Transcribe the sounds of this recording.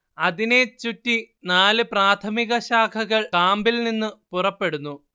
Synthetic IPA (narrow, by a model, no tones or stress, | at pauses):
ɐðine̞t͡ɕutːi | naːlɨpraːt̪ʰɐmiɣɐɕaːkʰɐɣɐɭkaːmbilninːɨpurɐpːe̞ɽunːu